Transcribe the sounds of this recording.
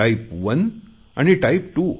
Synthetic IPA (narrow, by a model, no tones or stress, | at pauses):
ɐjpʋɐn | ɐ̃ɳiʈɐɪp̚ʈuː